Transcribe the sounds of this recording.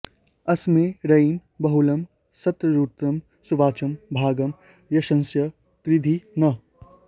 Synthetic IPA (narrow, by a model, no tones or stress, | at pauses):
ɐsmẽɾɐimbɐɦulɐm | sɐt̪ɾəɾuːt̪ɾɐm | suʋaːt͡ʃɐmbʱaːɡɐm | jɐʃɐ̃nsjɐ | kɾɪd̪ʱinɐ